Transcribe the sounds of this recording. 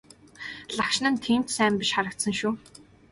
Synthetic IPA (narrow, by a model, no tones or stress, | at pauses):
ɮakʃnə̆nt̪ʰiːm̥t̪sæːmpiʃχaɾə̆k̚t̪sə̆ŋʃuː